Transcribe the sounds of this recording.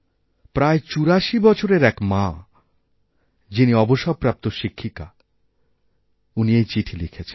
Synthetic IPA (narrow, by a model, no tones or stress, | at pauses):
pɾaet͡ɕuɾaʃibɔt͡ɕʰoɾeɾɛkma | d͡ʑiniɔboʃɔb̚pɾap̚t̪oʃikʰːika | uniejt͡ɕiʈʰilikʰet͡ɕʰen